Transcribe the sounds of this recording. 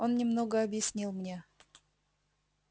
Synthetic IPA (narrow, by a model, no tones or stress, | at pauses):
onnʲɪmnoɡəɐbjɪsʲnʲilˠmnʲe